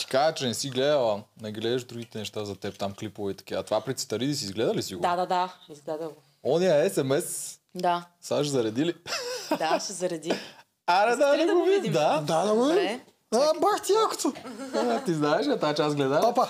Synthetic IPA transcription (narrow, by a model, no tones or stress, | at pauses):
t̪i̥kazɛt͡ʃɛnɛsiɡlɛd̪ɐlˠɐnɛɡlɛd̪ɛʃd̪ɾuɡit̪ɛnɛʃt̪azɐt̪ɛp̚t̪amklipovɛit̪ɐ̥kiɐt̪ovapɾit̪st̪ɐɾid̪is̬iːzɡlɛd̪ɐlisiɡod̪ad̪ad̪aizɡlɛd̪ɐ | ɔniɐɛsɛmɛsd̪asaʃzɐɾɐd̪ilid̪azɐɾɐd̪i | ɐnɛd̪ad̪ɐɡovid̪ad̪ad̪ɐɡovɾi | baxt̪iako̥t̪ot̪iznaɛʃɐt̪aat͡ʃɛasɡlɛd̪aopa